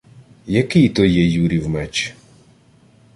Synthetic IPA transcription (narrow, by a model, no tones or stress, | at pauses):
jɐkɪjt̪ɔjɛjuɾʲiwmɛt͡ʃ